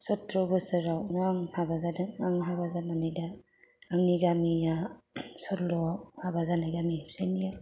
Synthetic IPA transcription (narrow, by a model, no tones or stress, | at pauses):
sɔtːɾɔbɯsɯɾawnaŋhabazadaaŋɦabazananajda | aŋniɡamijasɔtlɔhabazanajɡamisajnija